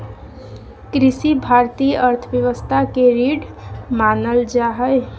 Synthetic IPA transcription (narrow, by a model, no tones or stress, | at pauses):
kɾɪsibʱaɾt̪iːjəʔəɾt̪ʰəbjəʋəst̪ʰakeɾiːɖ | maːnəld͡ʒaɦəj